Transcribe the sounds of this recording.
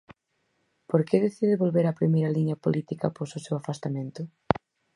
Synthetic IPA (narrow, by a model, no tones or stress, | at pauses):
poɾkeðeθiðɪβolβeɾɐpɾimejɾɐliɲɐpolit̪ikɐpososewafast̪amẽnt̪ʊ